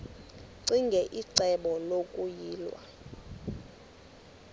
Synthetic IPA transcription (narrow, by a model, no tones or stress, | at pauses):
ǀiŋɡʱɛʔiǀɛɓɔlokʼujiːlwa̰